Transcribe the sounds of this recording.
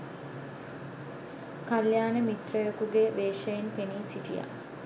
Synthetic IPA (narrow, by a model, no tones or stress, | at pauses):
kaljaːnəmit̪rəjokuɡeʋeːʃəjenpeniːsiʈija̰